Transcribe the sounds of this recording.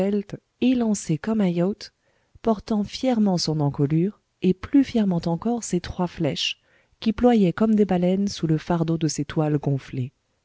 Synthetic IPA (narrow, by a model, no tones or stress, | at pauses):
ɛlt̪ | elɑ̃sekɔmajɔt̪ | pɔʁt̪ɑ̃fjɛʁmɑ̃sɔ̃nɑ̃kɔlyːʁ | eplyfjɛʁmɑ̃t̪ɑ̃kɔʁset̪χwaflɛʃ | kʲiplwajɛkɔmd̪ebalɛnsuləfaʁd̪od̪əset̪walɡɔ̃fle